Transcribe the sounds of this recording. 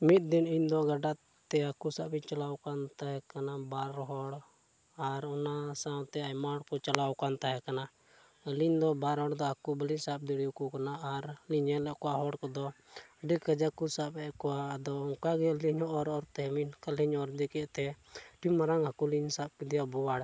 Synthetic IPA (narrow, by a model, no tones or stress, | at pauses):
mit̪̚d̪iniɲd̪ɔɡaɖa | t̪ɛakusapiɲt͡ʃalawkant̪aɦɛkanabaɾɦɔɽ | aɾɔnasawt̪ɛajmaɽkɔt͡ʃalawkant̪aɦɛkana | liɲd̪ɔbaɾɦɔɽd̪ɔakubəliɲsap̚d̪iɽijukukanaːɾliɲɛlɛkɔwaɦɔɽkɔd̪ɔ | ɖikːəd͡ʒakusapɛkɔwad̪ɔɔŋkaɡɛliɲɔɔɾɔɾt̪ɛminkaliɲɔɾd͡ʒ̪ɛkɛʔt̪ɛʈimːaɾaŋɦakuliɲsap̚kid̪ijabɔwaɽ